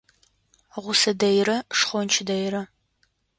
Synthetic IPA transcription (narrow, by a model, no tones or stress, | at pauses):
ʁʷʊsɐdɐjrɐʂχʷɔnt͡ʃʰdɐjrɐ